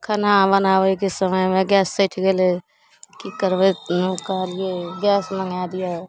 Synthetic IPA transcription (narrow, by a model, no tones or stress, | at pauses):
kʰənabənaːwəkesəməjmẽɡjɛːsːəʈʰɡele | kikəɾbeukalijeɡjɛːsməŋɡad̪ija